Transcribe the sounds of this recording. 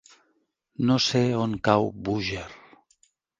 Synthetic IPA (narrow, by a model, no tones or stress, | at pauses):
noseoŋkawbuʒeɾ